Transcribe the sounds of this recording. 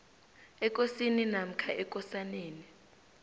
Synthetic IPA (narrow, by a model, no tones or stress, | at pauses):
ɛk̬ʼosininam̩kʰaʔɛk̬ʼɔsaneːni